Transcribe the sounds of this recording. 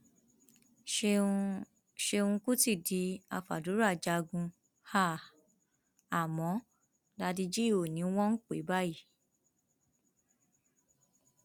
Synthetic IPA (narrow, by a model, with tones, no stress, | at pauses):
ʃe˧ũ˧ku˦ti˦˨di˨˧˦a˧fa̰˨du˨˦ɾa˦˨d͡ʒa˧ɡũ˧ | ha˦˨ | a˨mɔ̃˨˦ | da˧di˧d͡ʒi˦˨o˨nĩ˨˦w̃ɔ̃˦n̩˦k͡pḛ˨˦ba˦ji˦˨